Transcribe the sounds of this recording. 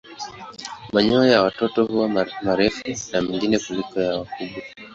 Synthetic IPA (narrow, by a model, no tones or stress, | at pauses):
maɲɔjawatɔtɔhuwamaɾɛfunamiŋɡinɛkulikɔjawakuɓwa